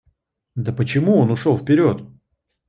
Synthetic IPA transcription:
d̪əpət͡ɕɪmuonʊʂolˠfpʲɪɾʲo̞t̪

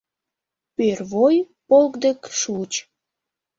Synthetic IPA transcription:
pørβoj | polkd̪ekʃut͡ɕ

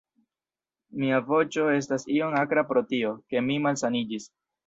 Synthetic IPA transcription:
miavo̞t͡ʃo̞e̞s̬tasio̞ŋakɾapɾo̞tio̞ke̞mimalsanid͡ʒis

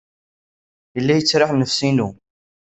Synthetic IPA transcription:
jəlːæjət͡sːɾaħnəfsinu

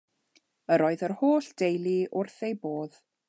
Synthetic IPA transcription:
əɾɔːɨðərhoːɬd̥ejlˠiʔʊrθejboːð

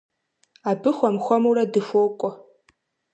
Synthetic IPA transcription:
abɨxʷamxʷɔmuradɨfokʷʼɔ

